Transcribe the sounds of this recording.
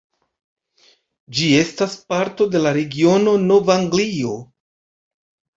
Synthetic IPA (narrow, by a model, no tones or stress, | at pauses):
d͡ʒie̞staspaɾto̞de̞laɾe̞ɡio̞no̞no̞vaŋɡlio̞